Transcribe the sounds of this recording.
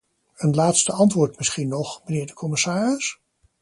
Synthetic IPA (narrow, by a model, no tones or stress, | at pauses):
ənlaːtstəɑntʋʊːɹtmɪsχinːɔχmənɪːɹdəkʰɔmɪsaːrəs